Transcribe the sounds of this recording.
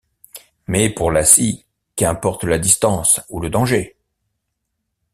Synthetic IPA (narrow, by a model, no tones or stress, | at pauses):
mɛpuʁlasi | kɛ̃pɔʁt̪lad̪ist̪ɑ̃suləd̪ɑ̃ʒe